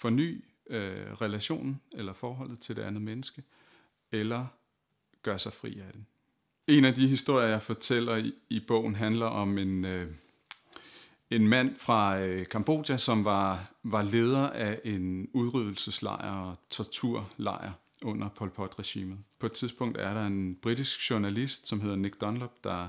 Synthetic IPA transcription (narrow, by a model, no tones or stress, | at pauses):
fɒ̽ny̰ː | øʁɛlæɕo̝̰ːnn̩elɐfɒːɦɒ̽l̰ð̩ˠt͡sʰe̝d̥e̝ænð̞̩ˠmenəsɡ̥ə | elɐ | ɡ̥ɶɐsɑ̈ɪfʁḭːæd̥en | e̝næd̥iɦisd̥o̝ɐ̰ɐjɑ̈ɪfɒ̽t͡sʰel̰ɐib̥ɔ̰̽ʊ̰n̩ɦænlɐʔɒ̽me̝n | e̝nmæn̰fʁɑ̈økʰɑmb̥o̝̰ːd̥jæsɒ̽mʋɑ̈ʋɑ̈le̝ːð̞ˠɐʔæʔe̝nuð̞ˠʁyð̞̰ˠl̩səslɑ̰̈ɪ̰ɐɒt͡sʰɒt͡sʰuɐ̰lɑ̰̈ɪ̰ɐ | ɔ̽n̰ɐpʰɒ̽lpʰɒ̽d̥ʁɛɕḭːmð̩ˠpʰɒed̥t͡sʰiðˠsb̥ɔ̽ŋ̰d̥æɐɾɑ̈e̝nb̥ʁid̥isɡ̥ɕuɐnælisd̥sɒ̽mɦe̝ð̞̰ˠɐneɡ̥d̥ɒ̽nlob̥d̥ɑ̈